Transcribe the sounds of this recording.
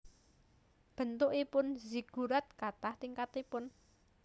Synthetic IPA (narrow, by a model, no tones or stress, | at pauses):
b̥ə̤nt̪ʊʔipʊnzi̤ɡ̥ṳɾat̪̚kat̪aht̪iŋkat̪ipʊn